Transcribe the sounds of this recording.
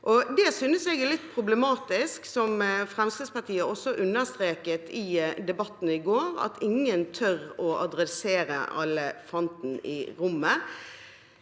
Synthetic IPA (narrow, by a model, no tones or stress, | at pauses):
ʔɔd̪ɛsynəsɛɡlɪt̪ːpʰɾʊblɛmɑːt̪ɪsksɔmfʁɛmst̪ɛːspɑʈʰiːəʔɔsɔʔʉnːəst̪ʁeːkət̪ʰɪd̪ɛbɑt̪ːn̩əɪɡoːɾɑ̰t̪ʰɪŋənt̪ʰœɾɔʔɑd̪ɾɛseːɾə̰ʔɑ̰lːəfɔnt̪n̩ɪ̰ɾʊmːə